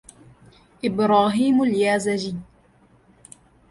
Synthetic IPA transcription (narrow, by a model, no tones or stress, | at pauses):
ʔɪbɾaːɦiːmaljaːzad͡ʒi